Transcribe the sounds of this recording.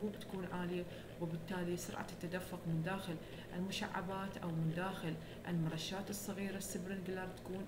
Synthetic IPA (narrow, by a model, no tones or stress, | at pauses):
uːʔt̪ḁkuːnʕaːlɪja | wɪbɪt̪ːaːlisʊ̰ɾˤʕa̰t̪ːad̪afːʊqmɪnd̪aːxɪl | ʔɪlmʊʃa̰ʕːa̰baːt̪ʔawmɪnd̪aːxɪl | ʔɪ̰lmʊɾˤɑʃːaːt̪ɨsˤːɑɣiːɾasːɪbɾɪnɡlɑɾˤt̪ḁkuːn